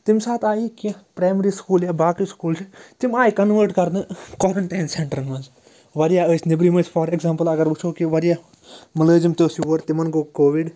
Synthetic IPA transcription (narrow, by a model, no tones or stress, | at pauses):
t̪ɪmsaːt̪aːikipɾaːjmɾiːskuːljaːbaːkɾiskuːlt͡ʃʰt̪imaːikɐnʋəːɾʈkɐɾnɨkɔːɾɐɳʈaːnseɳʈəɾnmɐnz | ʋɐɾijaːəːsnɪbɾiːmə̃ːsfʰɔɾekzaːmpəlɐɡɐɾʋut͡ʃʰoːkiʋɐɾjaː | mɐləːd͡ʒimt̪oːsjuːʋɐɾt̪ɪmɐnɡoːkoːʋiɖ